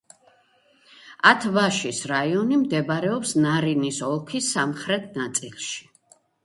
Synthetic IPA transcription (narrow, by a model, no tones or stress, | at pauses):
at̪ʰvaʃisɾaiɔnimd̪ɛbaɾɛɔpsnaɾinisɔlˠkʰisamχɾɛt̪ʰnat̪sʼilˠʃi̥